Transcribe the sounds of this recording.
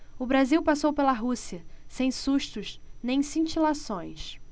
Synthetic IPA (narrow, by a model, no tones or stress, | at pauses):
ʊbɾaziwpasowpelɐɦusiɐsẽj̃suʃt̪ʊʃnẽj̃sĩt͡ʃilasõj̃s